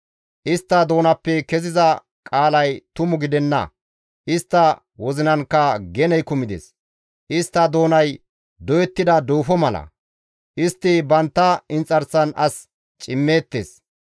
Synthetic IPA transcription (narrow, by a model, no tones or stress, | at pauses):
ʔɪst̪ːɐd̪o̞ːnɐpːɛkɛzɪzɐ | kʼaːlɐjt̪ʊmʊɡɪd̪ɛnːɐ̰ | ʔɪst̪ːɐ | wɔzɪnɐnkːɐɡɛnɛjkʊmɪd̪ḛs | ʔɪst̪ːɐd̪o̞ːnɐj | d̪ɔjɛt̪ːɪd̪ɐd̪oːfɔmɐlɐ̰ | ʔɪst̪ːɪbɐnt̪ːɐɪnt͡sʼɐɾsɐnɐs | t͡ʃʼɪmːe̞ːt̪ːḛːs